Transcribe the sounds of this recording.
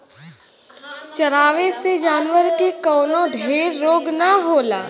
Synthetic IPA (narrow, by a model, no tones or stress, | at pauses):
t͡ʃɐɾaːʋesed͡ʒaːnʋəɾkekɔːnõɖʱeːɾːoːɡnaɦoːla̰ː